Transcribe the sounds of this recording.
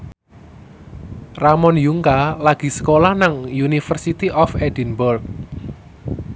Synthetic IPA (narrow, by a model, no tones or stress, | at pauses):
ramɔnjuŋkalaɡ̥i̤sə̥kolahnaŋjunifərsit̪iʔɔfedinburk̚